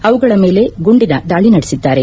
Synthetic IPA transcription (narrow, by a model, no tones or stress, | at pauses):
ɐʋuɡɐɭɐme̞ːle̞ɡuɳɖinɐd̪aːɭinɐɽesid̪ːaːɾe̞